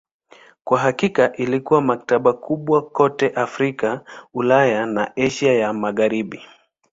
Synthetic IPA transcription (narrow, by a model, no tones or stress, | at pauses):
kwaɦakikaʔilikuwamak̚taɓakʰuɓwakɔtɛʔafɾikaulajanaɛʃajamaɣaɾiɓi